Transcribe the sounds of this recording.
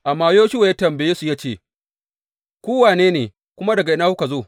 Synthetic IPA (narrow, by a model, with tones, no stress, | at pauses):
ʔa˨mːaː˦joː˦ʃʊ˦wa˨ja˦tɐ˨mbe˨jeː˦su˨jaː˦t͡ʃeː˦˨ | kʷoː˦waː˨neː˦neː˨ | kʷʊ˦ma˦dɐ˨ɡa˨ʔɪ˦naː˦hʊ˦ka˨zoː˦˨